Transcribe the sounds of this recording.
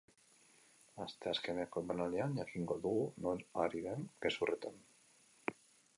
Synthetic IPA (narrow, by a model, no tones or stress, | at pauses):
ast̪easkemeakobanalianjakiŋɡoðuɣunoɾaɾiβeŋkesuret̪en